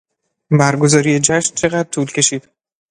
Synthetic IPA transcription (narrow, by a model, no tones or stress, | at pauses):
bæɾɡo̞zɒːɾijed͡ʒæʃnt͡ʃʰe̞ɣæd̪̚t̪ʰuːlcʰe̞ʃiːd̪̥